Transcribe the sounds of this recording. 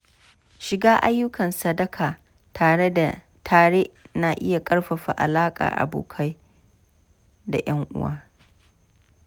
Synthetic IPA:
ʃɪ˨ɡaː˦ʔa˦jːʊ˦kɐ˨nsɐ˦dɐ˦kʰaː˨ | tʰaː˨ɽe˦a˨ | taː˨ɽe˦ʔnaː˨ʔɪ˦ja˨kʼɐ˦ɽɸɐ˨ɸa̰˨ʔa̰˨laː˦kʼa̰ː˨ʔa̰˨bo̰ː˨kʰa˦j | da̰˨jʔɐ˦ŋʔʊ̰˦wa̰ː˦

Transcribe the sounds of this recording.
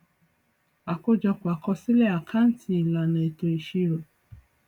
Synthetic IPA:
a˨ko˦d͡ʒɔ˧kwa˨kɔ˧si˦lɛ˦˨a˨kʰa˦n̩˦tʰi˧˦i˨la˨nã˨e˨to˧i˨ʃi˦˧ɾo˨

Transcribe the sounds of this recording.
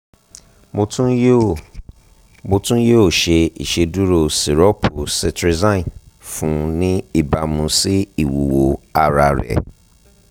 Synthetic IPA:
mo˧tũ˦ | mo˧tũ˦joː˦˨ʃe˧ḭ˨ʃe˧du˦ɾo˧˨si˨ɾɔ˦pʰu˨sɛ˧tɾi˧zã˦˨fũ˦nĩ˦i˦˨ba˧mũ˧si˦i˦˨wu˨wo˨a˧ɾa˧˨ɾɛ̰˨

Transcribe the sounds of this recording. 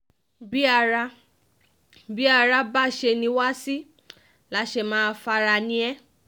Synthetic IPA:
bi˦a˧ɾa˧˦ | bi˨˦a˦˧ɾa˦˧ba˦˨ʃe˧nĩ˧˦wa˦si˦ | la˨˦ʃe˧˨mãː˨˦fa˧ɾa˧nĩ˧ɛ˦

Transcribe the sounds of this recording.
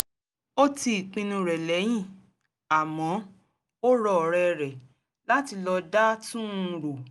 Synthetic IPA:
o˦ti˧i˨k͡pĩ˧nũ˧ɾɛ˨lɛ˨˦j̃ĩ˦˨ | a˨mɔ̃˨˦ | o˦ɾɔ˦˨ɾɛ˦˧ɾɛ˨ | la˦ti˧lɔ˧da˦tũ˦˧ɾo˨

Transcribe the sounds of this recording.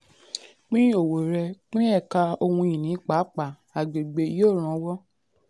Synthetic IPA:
k͡pĩ˦o˨wo˨ɾɛ˧k͡pĩ˦ɛ˦˨ka˧o˧hũ˧i˨nĩ˨˦k͡pa˨˦k͡pa˨ | a˨ɡ͡be˨ɡ͡be˧˦joː˦˨ɾ̃ã˧˦wɔ˦

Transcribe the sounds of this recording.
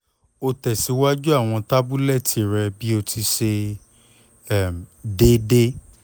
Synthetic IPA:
o˧tɛ˨si˨˦wa˦d͡ʒu˦a˦˨w̃ɔ̃˧ta˦bu˦lɛ˦˨tʰi˧˨ɾɛ˧bi˦o˧ti˧ʃe˧ | ɛ˦˨m˨de˦de˦

